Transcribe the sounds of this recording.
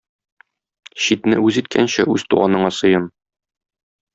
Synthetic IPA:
ɕit̪nɘʉzit̪̚kʰænɕæʉz̥t̪uʁɑnɤ̆ɴɑsɤ̆jɤm

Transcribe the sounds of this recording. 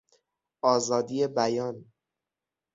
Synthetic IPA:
ɒːzɒːd̪ijebæjɒːn

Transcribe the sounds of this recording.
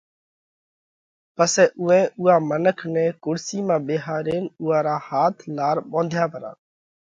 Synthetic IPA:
pəseːʔʊɛ̃ːʔʊːaːmənəkʰnɛ̃ːkʊɽsiːmãːbeːɦaːɾeːnʊːãːɾaːhaːt̪ʰlaːɾɓõːnd̪ʱjãːpəɾa̰ː

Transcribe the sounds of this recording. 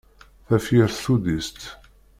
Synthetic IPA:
θæfjiɾθθud̪ist̪

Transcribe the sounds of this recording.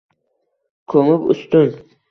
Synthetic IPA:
kʰɵmɪpʊ̰st̪ʊn

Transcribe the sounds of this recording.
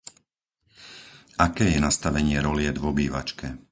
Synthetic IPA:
akɛːjɛnast̪aʋɛɲɪɛɾɔlɪɛd̪ʋɔbiːʋa̰t͡ʃkɛ

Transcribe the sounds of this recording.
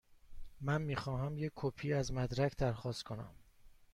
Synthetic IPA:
mænmiːxɒːɦæmjekʰːopʰiːæzmæd̪ɾæcʰd̪æɾxɒːst̪kʰonæ̰m

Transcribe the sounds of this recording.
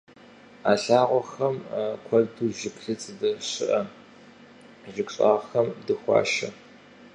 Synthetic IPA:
aːɬaːʁʷɔxɐmkʷʰɐduːʒɪkɬɨt͡sʼɨdɨɕɨʔɐ | ʒɪkʷɕʼa̰ːʁxɐmdɨxʷɑ̰ːʃɐ

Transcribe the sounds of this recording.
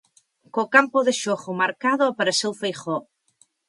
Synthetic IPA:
kokampoðeʃoχomaɾkaðoapaɾasewfejχo

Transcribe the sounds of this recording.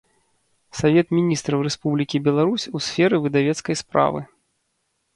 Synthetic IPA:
savʲɛt̪mʲinʲist̪ɾɐwrɛspublʲikʲibʲɛlˠaɾusʲusʲfʲɛɾɨvɨd̪avʲɛt̪skɐjspɾa̰vɨ̰

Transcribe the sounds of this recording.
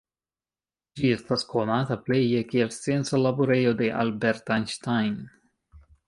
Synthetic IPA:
d͡ʒiest̪askonat̪aplejekeelsensalabuɾejod̪eʔa̰lbeɾt̪anʃt̪ajn

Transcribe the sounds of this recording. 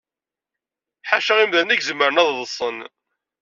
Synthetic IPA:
ħaʃəʁimðænæɡzəmːəɾənæððˤəsˤːən

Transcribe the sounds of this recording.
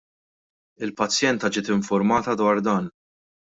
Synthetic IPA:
ɪlpɐt͡sːjɛnt̪ɐd͡ʒɪːt̪ɪɱfʊɾmɐːt̪ɐd̪wɐːɾd̪ɐːn

